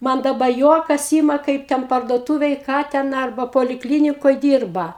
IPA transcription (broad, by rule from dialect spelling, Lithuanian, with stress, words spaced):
ˈmɐn dɐˈbɐ ˈjuɔkɐs ˈiːmɐ ˈkɐɪp tʲɛn pɐrduɔˈtuːʋʲeːj ˈkɑː tʲɛn ˈɐrbɐ poːlʲɪkˈlʲiːnʲɪkoːj ˈdʲiːrbɐ